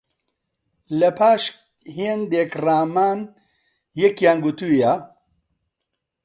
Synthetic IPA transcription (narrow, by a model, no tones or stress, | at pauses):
lɐpʰaːʃ | hind̪eːkraːmaːn | jekjaːnɡut̪ujaː